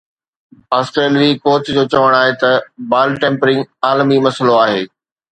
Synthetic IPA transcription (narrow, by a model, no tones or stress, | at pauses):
aːsʈɾeːliikoːt͡ɕd͡ʑoːt͡ɕɐʋəɽ̃aːɦet̪ɐbaːlʈẽːmpɾɪ̃ŋaːlmimɐsəloaːɦeː